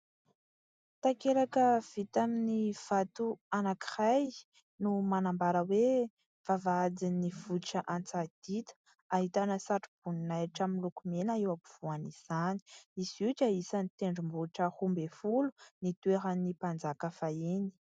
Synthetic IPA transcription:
t̪akeɾakəv̥it̪aminiv̥at̪uanaki̥raj | numanambaɾəwe | v̥avaad͡zinivuʈ͡ʂəʔant͡sad̪̥it̪ə̥ | aɦit̪anəsaʈ͡ʂib̥uninajaʈ͡ʂaminlukumenaiwapuv̥uaniz̥ani̥iz̥iʈ͡ʂaisanit̪eɳɖ͡ʐumbuʈ͡ʂəhumbefulunit̪ueɾanipand͡zakəfaeni̥

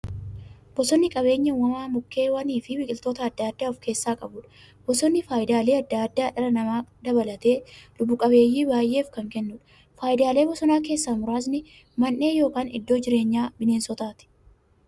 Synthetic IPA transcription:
b̥ɔsɔnːɪkʼɐbe̞ːɲːɐwɐmaːmʊkːe̞ːwɐniːfɪbɪkʼɪlt̪o̞ːt̪ɐːd̪ːaːd̪ːaːɔfke̞ːsːaːkʼɐbʊᶑɐ̥ | b̥ɔsɔnːɪfaːjɪd̪aːle̞ːɐd̪ːaːd̪ːaːᶑɐɾɐnɐmaːd̪ɐbɐlɐt̪e̞ːlʊbːʊkʼɐbeːjːiːbaːjʔːe̞ːfkɐŋkɛnːʊᶑɐ̥ | faːjɪd̪aːle̞ːbɔsɔnaːk̬e̞ːsːaːmʊɾaːs̬nɪ | mɐnːe̞ːjo̞ːkaːnɪ̰d̪ːo̞ːd͡ʒɪɾe̞ːɲːaːbɪne̞ːnsɔt̪aːt̪ɪ̥

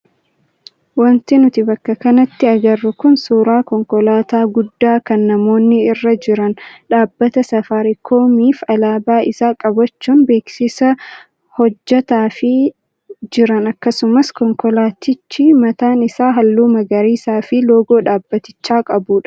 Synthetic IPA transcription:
wɐnt̪ɪnʊt̪ɪbɐkːɐkɐnɐt̪ːɪɐɡɐrːʊkʊnsuːɾaːkɔŋkɔlaːt̪aːɡʊd̪ːaːkɐnːɐmo̞ːnːɪɪrːɐd͡ʒɪɾɐnᶑaːbːɐt̪ɐsɐfaɾɪkʰo̞ːmiːfɐlaːbaːɪsaːkʼɐbɐt͡ʃːuːnbe̞ːksɪsɐ | hɔd͡ʒːɐt̪aːfɪ | d͡ʒɪɾɐnɐkːɐsʊmɐskɔŋkɔlaːt̪ɪt͡ʃːiːmɐt̪aːnɪsaːɦɐlːuːmɐɡɐɾiːsaːfɪlo̞ːɡo̞ːᶑaːbːɐt̪ɪ̥t͡ʃːaːkʼɐbuːᶑɐ̥

